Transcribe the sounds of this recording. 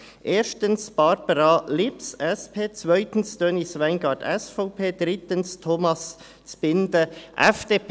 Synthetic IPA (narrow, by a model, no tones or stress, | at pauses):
ʔeːʃtənsb̥ɑɾbəɾɑlɪpsɛspʰeːt͡svœʏtən̩sd̥øːnisvæɪnɡɑːtɛsfɔʊpʰeːd̥ɾɪtənstʰomɑs | t͡sb̥ɪndəʔɛfd̥eːp